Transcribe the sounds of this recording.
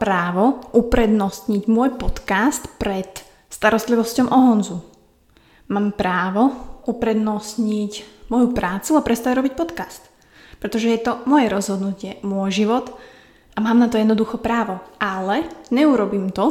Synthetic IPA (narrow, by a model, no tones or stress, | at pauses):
pɾaːʋɔʔupɾɛd̪nɔst̪ɲiɟmʊɔjpɔt̪kast̪pɾɛt̪ | st̪aɾɔst̪liʋɔscɔmʔɔɦɔnzu | maːmpɾaːʋɔʔupɾɛd̪nɔst̪ɲicmɔjupɾaːt͡suapɾɛst̪aɾɔbic̚pɔt̪kast̪ | pɾɛt̪ɔʒɛjɛt̪ɔmɔjɛɾɔzɦɔd̪nucɪɛmʊɔjʒiʋɔt̪ | ʔamaːmnat̪ɔjɛd̪nɔd̪uxɔpɾaːʋɔʔalɛɲɛuɾɔbiːmt̪ɔ